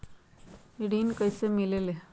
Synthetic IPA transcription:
iɽiːnkəjsemilele

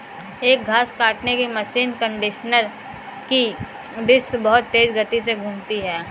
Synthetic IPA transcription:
eːk̚ɡʱaːskaːʈnekimɐʃiːnkə̃ɳɖɪʃnəɾ | ki | ɾɪskbɐɦʊt̪ːeːd͡ʒɡət̪iseɡʱũːmt̪iɦɛː

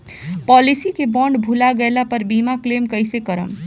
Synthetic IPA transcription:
pɔlisikebɔɳɖbʱulaɡelapəɾbimaklemkəjsekəɾə̰m

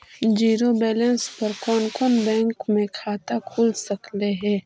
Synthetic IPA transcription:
d͡ʒiːɾobɛːlɛ̃nspɐɾkɔːnkɔːnbɛ̃ːŋkmẽkʰaːt̪akʰuːlsɐkleɦɛ̃ː

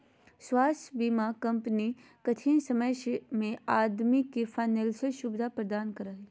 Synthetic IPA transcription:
swaːst̪ʰbiːmakɐ̃mpəni | kɐt̪ʰĩnsɐməsmẽaːd̪mikːefʰaːnelseʃubd̪ʱapɾəd̪aːnkəɾaːɦi

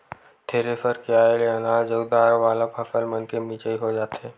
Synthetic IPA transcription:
t̪ʰeːɾefəɾkeaːeleɐnaːd͡ʒəud̪aːɾʋaːlabʱɐfəlmənkemiːt͡ʃəiɦod͡ʒaːt̪ɦɛ̃ː

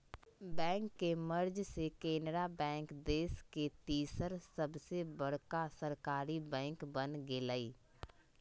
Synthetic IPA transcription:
bɛ̃ːŋkːeməɾd͡ʒsekeːnɾabɛ̃ːŋkd̪eːsket̪iːsəɾsəbsebəɽ̤kasəɾkaːɾibɛ̃ːŋkbənɡeːlaːiː

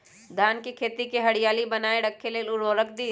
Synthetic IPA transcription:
d̪ʱaːnkikʰeːt̪ikeɦɐɽijaːlibɐnaːeɖɐkʰːeleːlʊɽoɾək̚ʰd̪iː

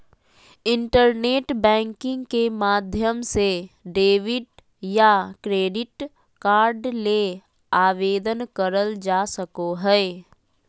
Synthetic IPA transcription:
ɪ̃ɳʈəɾneːʈbɛ̃ːŋkɪ̃ŋɡkemaːd̪ʱjəmseɖeːʋɪʈ | jakɾeːɖɪʈ | kaːɾɖle | aːʋeːd̪ənkəɾəld͡ʒaːsəkoɦɛː

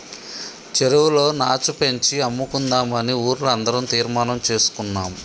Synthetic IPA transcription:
t͡ʃeɾuwulo̞ːnaːt͡ʃupe̞ɲt͡ʃiɐmːukund̪aːmɐniuːɾulɐnd̪ɐɾɐmt̪iːɾmaːnɐmt͡ʃe̞ːsu̥kunːaːm

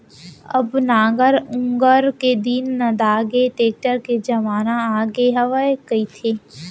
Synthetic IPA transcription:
ɐbnaːɡəɾʊ̃ŋɡəɾked̪iːnːɐd̪aːɡeʈeːk̚ʈəɾked͡ʒɐʋaːnaaːɡeɦɐʋəekɐit̪ʰeː

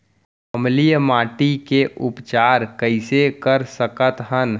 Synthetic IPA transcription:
əmlijəmaːʈikeʔʊpt͡ʃaːɾkəɪsekəɾsəkət̪ɦən

